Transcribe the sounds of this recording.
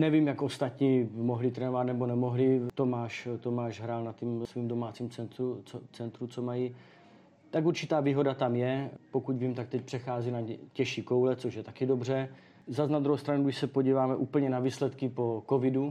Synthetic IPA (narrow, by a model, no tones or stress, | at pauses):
nɛvimjakʔost̪at̪ɲiːmoɦlɪt̪ɾɛːnovat̪nɛbo̞nɛmoɦlɪt̪omaːʃt̪omaːʒɦɾaːlnat̪imsviːmdomaːt͡siːmt͡sɛnt̪ɾut͡sot͡sɛnt̪ɾut͡somaji | t̪akuɾt͡ʃɪt̪aːviːɦo̞dat̪amjɛpo̞kucviːmt̪ak̚t̪ɛc̚pr̥ɛxaːzinacɛʃiːko̞wlɛt͡soʃjɛt̪akɪdo̞br̝ɛ | zasnad̪ɾuɦowst̪ɾanuɡdɪʃsɛpoɟiːvaːmɛʔuːpəl̩ɲɛnaviːslɛt̪kɪpo̞kovɪdu